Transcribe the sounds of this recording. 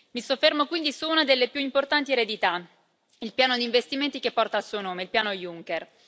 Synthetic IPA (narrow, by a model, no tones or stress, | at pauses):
misofːermokwind̪isuunad̪elːepjuimport̪ant̪ieɾed̪it̪a | ilpjaːnod̪iɱvest̪iment̪ikepːɔrt̪aːlsuonoːmeilpjaːnojuŋker